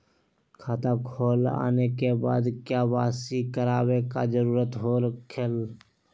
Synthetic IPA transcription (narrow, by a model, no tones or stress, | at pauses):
kʰaːt̪akʰoːla̰ːnekeba̰ːd̪kjaːʋaːsikəɾaːweka̰d͡ʒəɾuːɾət̪ɦoɾəkʰel